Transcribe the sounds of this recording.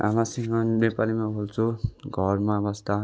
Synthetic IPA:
a̰masiŋʌ̃nepalimabʱolt͡sʰuɡʱʌrmãbʌst̪a

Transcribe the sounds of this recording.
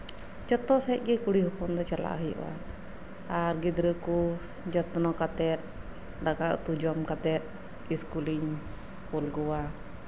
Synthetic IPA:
d͡ʒɔt̪ɔsɛɛʔ̚ˀɡɛkuɽihupɔmd̪ɔt͡ʃala̰ʔɦəjɔ̰ʔwa̰ | aɾɡid̪ɾəku | d͡ʒɔt̪nɔkat̪ɛt̪̚ | dakaʔt̪ud͡ʒɔmkat̪ɛt̪̚ | iskuliɲ | pulɡɔwa

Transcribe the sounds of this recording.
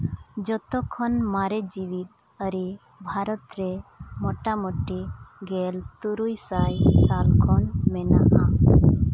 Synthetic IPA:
d͡ʒɔt̪ɔkʰɔnmaɾɛd͡ʒiwit̪̚ | əɾi | bʱaɾɔt̪ɾemɔʈamɔʈiɡɛlt̪uɾujsajsalkʰɔnmɛna̰ʔa

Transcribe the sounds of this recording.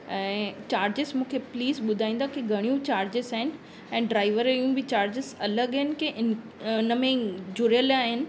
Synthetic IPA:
ɛ̃ːt͡ɕaːɾd͡ʑɪzmũːkʰepliːzɓʊd̪ʱaːĩːnd̪akiɡʱɐɽ̃ijũt͡ɕaːɾd͡ʑɪzaːɦɪnɪ̆ | ɛ̃ːɖɾaːɪʋəɾjũbɪt͡ɕaːɾd͡ʑɪzɐləɠɦɪnɪ̆keʔɪ | ɪnəmẽd͡ʑʱʊɾjəlaːɦɪnɪ̆

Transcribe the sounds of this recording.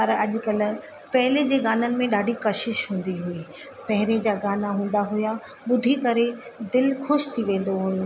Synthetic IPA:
pɐɾɐʄ̆kɐlʊ̆ | pɐɦɪled͡ʑeːɡaːnənɪ̆mẽɗaːɖʱikɐʃɪʃɦũːn̆d̪iɦuiː | pɐɦɪɾed͡ʑaːɡaːnaɦũːn̆d̪aɦʊja | ɓʊd̪ʱikɐɾe | d̪ɪlxʊʃt̪ʰiʋẽːn̆d̪oɦʊjũ

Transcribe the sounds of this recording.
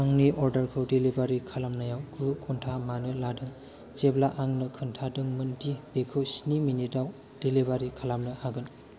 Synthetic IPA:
aŋniʔɔɾdəɾkʰɯwdelibaɾikʰalamnajawɡʰɯkʰɔntʰamanɯjladɯŋ | t͡ʃeblaʔaŋnɯkʰɯntʰadɯŋmɯntibekʰɯwsniminidaw | d̥elibaɾikʰalamnɯhaɡɯn

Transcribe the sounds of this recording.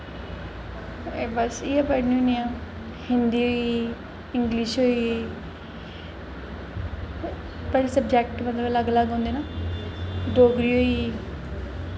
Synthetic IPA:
ebəsiːaːpəɽnĩũniãː | hɪnd̪iːoi | ɪŋɡliʃɦoːiː | pəlisəbd͡ʒɛːkʈmət̪ləbləɡləɡɦõːnd̪eːnaː | ɖoːɡɾiːoːiː

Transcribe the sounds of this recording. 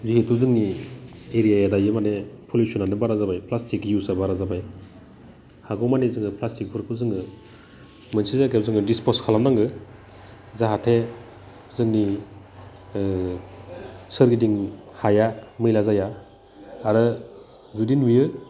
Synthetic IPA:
ziɦetʰuzɯŋnieɾijajadajɯmanepʰolusɔnanɯbaɾazabajpʰlastikjusabaɾazabaj | haɡɔmanezɯŋɯpʰlastik̚pʰuɾkʰɯzɯŋɯ | mɯnsizaɡewzɯŋɯdispɔskʰalamnaŋɡɯ | zaɦatʰe | zɯŋni | sɯɾɡidiŋhajakmɯjlazajaː | ɾɯ | zudinwijɯ

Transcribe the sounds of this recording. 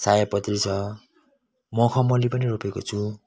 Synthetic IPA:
sajʌpʌt̪rit͡sʰʌ | mʌkʰʌmʌlipʌniropeko̰t͡sʰu

